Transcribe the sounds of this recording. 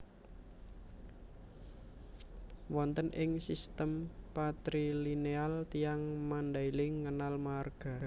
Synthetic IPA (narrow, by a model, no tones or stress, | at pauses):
wɔnt̪ənʔɪŋsist̪əmpat̪ɾilinealt̪iaŋmand̪ailɪŋːənalmarɡ̥a̤